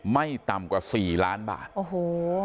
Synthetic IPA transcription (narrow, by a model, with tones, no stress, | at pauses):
ma˥˩jt̪a˨˩mkwaː˨˩siː˨˩laː˦˥nba̰ː˨˩t̪̚ʔoː˧˩hoː˩˦